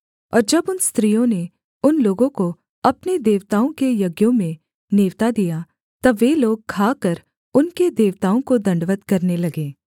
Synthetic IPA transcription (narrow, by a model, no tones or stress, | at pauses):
ɔ̰ːɾd͡ʒɐbʊnst̪ɾiːjõne | ʊnloːɡõko | ɐpned̪eːʋt̪aːõkejɐɡjõmẽ | neːʋt̪ad̪ija | t̪ɐʋeloːɡ̚kʰaːkɐɾ | ʊnked̪eːʋt̪aːõkod̪ɐ̃ɳɖʋət̪kɐɾnelɐɡẽː